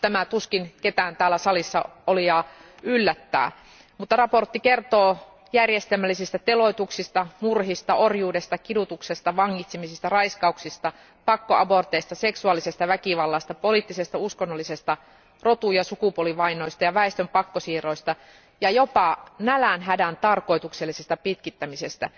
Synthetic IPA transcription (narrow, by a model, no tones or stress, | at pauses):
t̪æmæt̪uskinket̪æːnt̪æːlːæsɑlisːɑoliɑːylːæt̪ːæ̰ː | mut̪ːɑrɑport̪ːikert̪oː | jærjest̪elmælːisist̪æt̪eloit̪uksist̪ɑmurhist̪ɑorjuːdest̪ɑkidut̪uksest̪ɑʋɑŋːit̪simisist̪ɑrɑiskɑuksist̪ɑ | pɑkːoʔɑbort̪eist̪ɑseksuɑlːisest̪ɑʋækiʋɑlːɑst̪ɑpoliˑt̪ːisest̪æuskonːolːisest̪ɑ | rot̪ujɑsukupoliʋɑinoist̪ɑjɑʋæest̪ømpɑkːosiːroist̪ɑ | jɑjopɑnælænɦædænt̪ɑrkoit̪ukselːisest̪æpit̪kit̪ːæmisest̪æ̰